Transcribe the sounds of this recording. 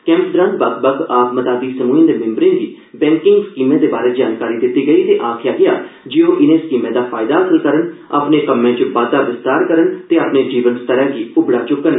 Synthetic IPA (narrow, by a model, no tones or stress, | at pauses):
kɛ̃ːmsd̪ɾãːnd̪bək̪bəɡaːpmət̪aːd̪iːsəmuːĩnd̪eːmɪ̃mbɾɪ̃ŋɡiː | bɛ̃ːŋkɪ̃ŋɡskiːmẽːd̪eːbaːɾeːd͡ʒaːnkaːɾiːd̪ɪt̪ːiːɡəiːt̪eːʔaːkʰɪjaːɡɪjaːd͡ʒeːoːʔɪnẽːskiːmẽːd̪aːpʰaːɪd̪aːəsəlkəɾəna̰ːpneːkəmːẽːt͡ʃəbaːt̪aːɾʋɪst̪aːɾkəɾənt̪eːaːpneːd͡ʒiːʋənst̪əɾɛ̃ːɡiːʊbɽaːt͡ʃʊkːən